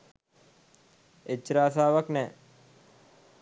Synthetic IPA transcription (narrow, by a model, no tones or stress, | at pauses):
et͡ʃːəɾaːsaːʋaknɛː